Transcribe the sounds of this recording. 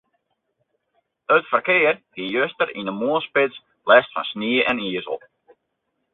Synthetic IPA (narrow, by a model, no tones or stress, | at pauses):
øtfərkɪərhijøstərinəmuəlˠspɪts | lɛstfɔ̰nsniəʔɛniəzə̰l̩ˠ